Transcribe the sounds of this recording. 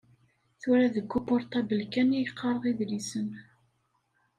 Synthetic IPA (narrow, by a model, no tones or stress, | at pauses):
θʊɾæðəɡːupɔɾt̪æbəlkænijəqʰːɑɾˤəʁiðlisən